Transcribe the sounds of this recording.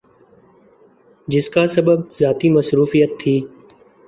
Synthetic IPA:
d͡ʒɪskaːsəbəbzaːt̪iːməsɾuːfijət̪ʰːiː

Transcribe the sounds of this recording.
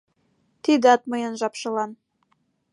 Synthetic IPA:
t̪id̪ɑt̪̚məjənʒɑpʃɤ̆lɑn

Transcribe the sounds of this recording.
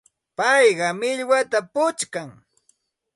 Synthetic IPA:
pɑjɢɑmɪʎwat̪apʊt͡ʃkaŋ

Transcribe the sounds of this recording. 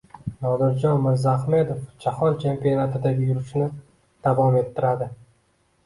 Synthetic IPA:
nɒd̪ɪɾd͡ʒɒnmɪɾzaχme̞d̪ofd͡ʒʰahɒlt͡ʃʰe̞mpijonat̪ʰɪd̪abɪjʊɾɪʃnɪ | d̪̥avɒme̞t̪ʰːɪɾad̪ɪ

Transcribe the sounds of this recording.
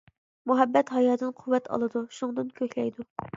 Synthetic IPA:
muɦɛbːɛt̪hɑjɑːd̪ɨnqʰuwːɛt̪ʰɑ̰lˠɨd̪uʃuŋd̪ɨnkʲʰøkʲlɛjd̪u

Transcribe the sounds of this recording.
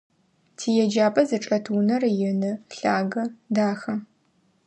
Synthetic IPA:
tʰiːjɛd͡ʒaːpʼɐzɨʈ͡ʂʼɐtʰuːnɐrjɪnɨɬaːɡɐdaːxɐ

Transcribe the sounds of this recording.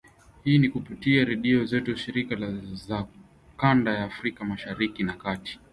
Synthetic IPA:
hiːnikupitiaɾɛɗiɔzɛtuʃiɾikaza | kandajaːfɾikamaʃaɾikinakati̥

